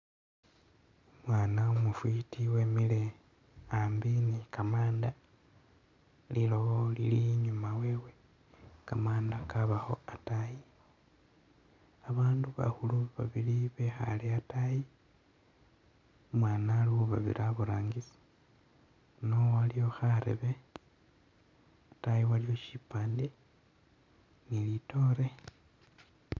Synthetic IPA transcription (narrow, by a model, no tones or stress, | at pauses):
omwaːnaomufwitʰiwe̞ːmile | ambinikamaːnda | lilooliliɲumaweːwe | kamaːndakaβaho̞̰ataji | aβaːnduβa̰huluβaβiliβe̞xa̰leataji | umwaːnalihuβaβḭɾaβuɾaːŋɡisi̥ | nowalijo̞xaɾḛβe | atajiwalijo̞ʃipaːnde | nilito̞ɾe̞